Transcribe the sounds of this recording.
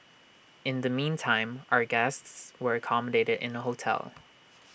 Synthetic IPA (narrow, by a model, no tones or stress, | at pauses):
ɨ̃nðɨmĩntʰãɪ̃mʔa̰ʊə˞ɡɛstswə˞ɨkʰɑmədeɪɾɨɾɨ̰̃nəɦoʊtʰɛ̰lˠ